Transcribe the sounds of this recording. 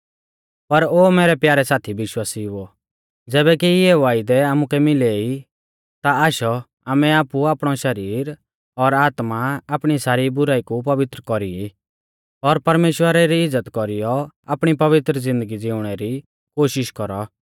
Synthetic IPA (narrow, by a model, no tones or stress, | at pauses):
pɐɾoːmɛːɾɛpjaːɾɛsaːt̪ʰibɪʃwaːsiʊɔ | d͡zɛːbɛkiɪɛʋaːɪd̪ɛaːmʊkɛmɪlei | t̪aaːʃɔ | aːmɛaːpuaːpɽ̃ɔʃɐɾiːɾ | ɔɾaːt̪maaːpɽ̃isaːɾibʊɾaːikupɐʋɪt̪ɾəkɔɾii | ɔɾpɐɾmeːʃwəɾɛɾiɪd͡zːət̪kɔɾijɔa̰ːpɽ̃ipɐʋɪt̪ɾəd͡zɪ̃nd̪əɡid͡zɪʊɽ̃ɛɾi | koːʃɪʃkɔɾɔ